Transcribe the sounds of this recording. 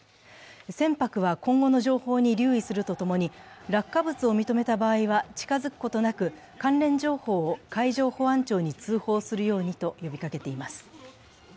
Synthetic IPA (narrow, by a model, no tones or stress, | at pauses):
sẽ̞mpakɯ̟βakõ̞ŋɡo̞no̞ʑo̞ːho̞ːɲ̟iɾʲɨːisɨɾɯ̟t̪o̞t̪o̞mo̞ɲ̟iɾakːabɯ̟t͡sɨo̞mʲit̪o̞me̞t̪abaːiβat͡ɕi̥kazɨkɯ̟̥ko̞t̪o̞nakɯ̟ | kãnɾẽ̞ɲd͡ʑo̞ːho̞ːkaiʑo̞ːho̞ãɲt͡ɕo̞ːɲ̟it͡sɨːho̞ːsɨɾɯ̟jo̞ːɲ̟it̪o̞jo̞bʲikake̞t̪e̞imasɨ̥